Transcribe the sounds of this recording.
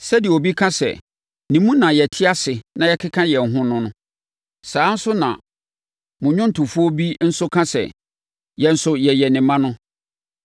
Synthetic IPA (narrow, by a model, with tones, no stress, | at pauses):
sɛ˦di˨o˨bi˦kʰã˦sɛ̰˨ | nĩ˨mũ˦nã˨jɛ˨tʰɪ˦a˦sɪ˨nã˨jɛ˦kʰɪ˦kʰã˦jɛ˨n̩˨ɦʊ̃˦nʊ̃˦nʊ̃˦ | saː˨˦n̩˦sʊ˦nã̰˨ | mʊ̃˨ɲᶣʊ̃˦n̩˦˨tʰʊ̃˨fu˦ɔ˦bi˦n̩˦sʊ˦kʰã˦sɛ̰˨ | jɛ˨n̩˨sʊ˦jɛ˨jɛ˨nɪ̃˨mã˦nʊ̃˦